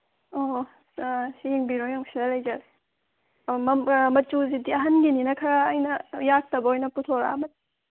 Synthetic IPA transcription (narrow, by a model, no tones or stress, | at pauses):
o | siŋbiɾojoŋsʰidɐlɐjd͡ʒɐɾe | mɐmɐt͡ʃuzidiɐɦɐnɡininɐkʰɐɾaːjnɐjak̚tɐbɐojnɐputʰoɾa̰ːmɐ